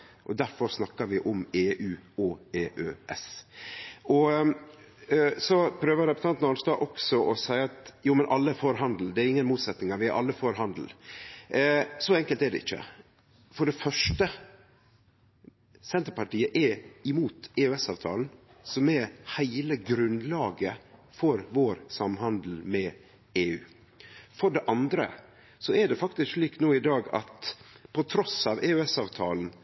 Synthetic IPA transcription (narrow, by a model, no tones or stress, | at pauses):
ʔɔd̪æɾfɔɾsnɑkːəɾʋɪʔɔmeːʔʉːɔeːʔøːʔɛs | ʔɔ | sɔpʰɾøːʋəɾɛpʉ̥t̪ʰɑnt̪nɑnst̪ɑːʔɔksɔʔɔsæɪɑt̪juːmɛnʔɑlːəfoːɾɦɑnd̪l̩d̪ɛæɾɪŋːənmuːt̪sɛt̪nɪŋɑɾʋɪæʔɑ̰lːəfoːɾɦɑnd̪l̩ | sɔɛŋkəlt̪æɖɛ̰ɪçːə̰ | fɔɖɛfœʂʈə | sɛnt̪əɾpɑʈiːəʔɛɾɪmuːt̪eːʉɛsɑːʋt̪ʰɑ̰ːln̩ | sɔmɛhæɪləɡɾʉnlɑːɡəfɔɾʋoːɾsɑmhɑnd̪l̩mɛ | eːʉː | fɔɖɛʔɑnd̪ɾə̰ | sɔɛɖɛfɑkt̪ɪskʂɭiːk̪noːɪd̪ɑːɡɑ̰t̪pʰɔt̪ʰɾɔsɑːʋʔeːʉɛsɑːʋt̪ʰɑːln̩